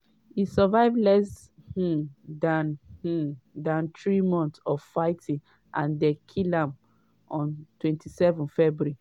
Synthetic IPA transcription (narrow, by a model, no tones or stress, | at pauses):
isɔvaɪvlɛs | h̩dãnh̩dãnt̪ɹimɔ̃nθsɔvfaɪtʰĩn | ʔãndɛkʰilãm | ʔɔ̃ntwɛ̃ntʰisɛvɔ̃nfɛbuɹi